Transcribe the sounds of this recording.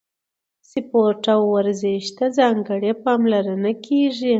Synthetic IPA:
sɪpoʈawːaɾzeʃt̪azɑŋɡəɽepɑmlaɾənakʰeʐi

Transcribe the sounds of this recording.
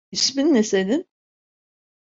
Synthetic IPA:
isminːesenin

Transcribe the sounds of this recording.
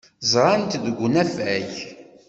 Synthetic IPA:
zˤɾˤɑnt̪ðəɡʷːunæfæç

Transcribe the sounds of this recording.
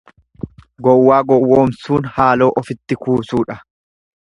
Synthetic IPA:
ɡɔwːaːɡɔwːoːmsuːnhaːloːʔɔfɪt̪ːɪkuːsuːᶑɐ

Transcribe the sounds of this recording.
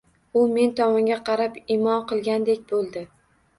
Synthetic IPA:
ʊme̞nt̪ʰɒmɒŋɡʲaqʰɑɾapimɒnqɨlˠɡʲand̪ekʲbolˠd̪ɪ

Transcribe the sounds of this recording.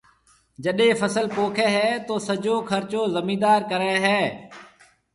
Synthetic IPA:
d͡ʒəɗẽːfʰəsəlpoːkʰɛːɦɛːt̪oːsəd͡ʒoːkʰəɾt͡ʃoːzəmĩːd̪aːɾkəɾaːɦɛː

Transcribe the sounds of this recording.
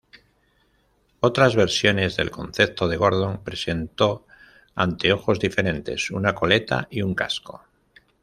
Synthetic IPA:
o̞t̪ɾazβe̞ɾsjo̞ne̞zðe̞̰lko̞̰nθe̞p̚t̪o̞ðe̞ɣ̞o̞ɾð̞o̞ŋpɾe̞se̞nt̪o̞ | a̰nt̪e̞o̞xo̞zðife̞ɾe̞nt̪e̞sunako̞le̞t̪a̰ʔiuŋka̰sko̞

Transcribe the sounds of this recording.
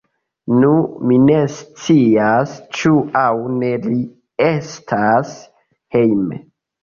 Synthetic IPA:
numine̞st͡siast͡ʃuawne̞li | estʰas | he̞jme

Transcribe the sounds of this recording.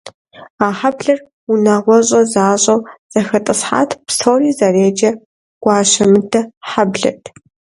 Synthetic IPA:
aːħabɮɐr | unaʁʷɔɕʼɐzaːɕʼɐwz̥ɐxɐtʼɨsħa̰ːtʰpsʰoːriːzɐreːd͡ʒɐ | ɡ̥ʷɑːɕɐmɨdɐħabɮɐ̰tʰ

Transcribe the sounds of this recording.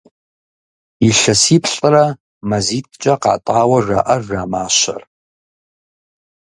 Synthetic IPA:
iɬɐsipʰɬʼra | mazit̚ʰʼt͡ʃʼɐqa̰ːtʼaːwɐʐa̰ʔɐraːmaːʃa̰r

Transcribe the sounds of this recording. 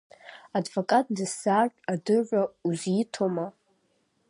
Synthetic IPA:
advokʼatʼdɨsaːʒʼadɨʒʷauzʷitʰoma

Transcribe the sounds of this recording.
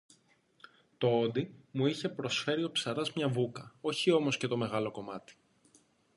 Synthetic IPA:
t̪o̞od̪imuiçe̞pɾo̞sfe̞ɾio̞psɐɾɐzmɲɐvukɐo̞çio̞mo̞scet̪o̞me̞ɣɐlo̞ko̞mɐt̪i̥

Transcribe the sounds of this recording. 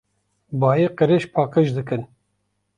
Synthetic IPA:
bɑːjeqəɾeʃpʰɑːqɨʃd̪ɨkɨn

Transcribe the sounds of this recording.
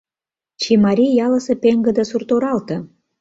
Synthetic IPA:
t͡ɕimɑɾʲijɑlə̆sĕpeŋɡə̆d̪ə̆surt̪oɾɑlt̪ɤ̆

